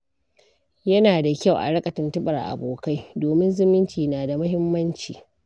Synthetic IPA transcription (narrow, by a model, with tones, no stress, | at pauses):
jɐ˦naː˨da˨kʲa˦˨wʔa̰˨ɽɐ˦kʼɐ˨tɐ˨ntʊ˦ɓɐ˨rʔa̰˨boː˨ka˦jdoː˨mɪ˦nzɪ˦mɪ˦nt͡ʃiː˨naː˨da˨mɐ˦hɪ˦mːɐ˦nt͡ʃiː˨